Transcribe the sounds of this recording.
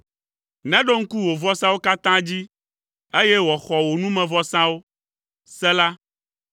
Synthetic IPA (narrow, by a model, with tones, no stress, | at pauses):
nɛ̃˦ɖo˦ŋ̩˦ku˦wo˨vɔ˦sã˦wo˦ka˦t̪ã˦d͡ʑi˦ | e˦jɛ˦wɔ˨xɔ˨wo˨nũ˦mɛ̃˨vɔ˦sã˦wo˦ | sɛ˦la˦